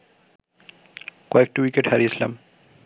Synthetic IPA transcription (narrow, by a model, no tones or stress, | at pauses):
kɔek̚ʈiwikeʈhaɾit͡ɕʰila̰m